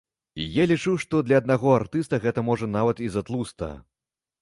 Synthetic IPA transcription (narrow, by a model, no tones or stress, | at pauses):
ijalʲit͡ʂuwʂt̪ɔd̪lʲɐd̪̚naɣɔart̪ɨst̪ɐɣɛt̪ɐmɔʐɐnavɐt̪izat̪lˠust̪ɐ̰